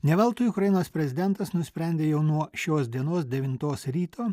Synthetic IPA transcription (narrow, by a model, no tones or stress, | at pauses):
nʲɛʋɐlˠt̪uːjʊkɾɐjɪnoːspʲɾʲɛzʲɪd̪ʲɛnt̪ɐsnʊsʲpʲɾʲɛnʲd̪ʲeːjɛʊnuɔʃʲoːsd̪ʲiɛnoːsd̪ʲɛʋʲɪnt̪oːsɾʲiːt̪ʰoː